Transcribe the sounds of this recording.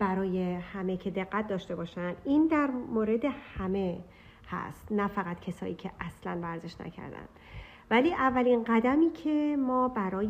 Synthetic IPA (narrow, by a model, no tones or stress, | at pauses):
b̥æɾɒːje̞hæme̞cʰe̞d̪e̞ɣːæt̪̚ʰd̪ɒːʃt̪e̞bɒːʃænd̪̥iːnd̪æɾmoːɾe̞d̪e̞hæme̞ | hæ̰st̪næfæɣæt̪cʰesɒ̰ːiːcʰeʔæslænvæɾze̞ʃnæ̰cʰæ̰ɾd̪æ̰nd̪̥ | væliːʔævːælinɢæd̪æmiːcʰe̞mɒːbæɾɒː